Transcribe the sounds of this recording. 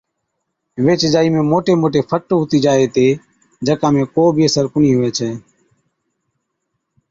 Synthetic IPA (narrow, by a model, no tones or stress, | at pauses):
ʋeːt͡ʃd͡ʒaːiːmẽːmoːʈeːmoːʈeːpʰəʈːɦʊt̪iːd͡ʒaːeːt̪eː | d͡ʒəkãːmẽːkoːbʱiːəsəɾkʊɳiːɦʊʋeːt͡ʃʰeː